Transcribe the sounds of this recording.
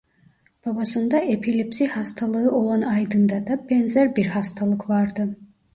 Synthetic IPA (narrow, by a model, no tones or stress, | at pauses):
b̥abasɯnd̪aʔepʰilʲipsihɑst̪ʰalˠɯɯo̞lˠanɑjd̪ɯnd̪ad̪abɛnzæɾbiɾɦɑst̪ʰalˠɯkvaɾd̪ɯ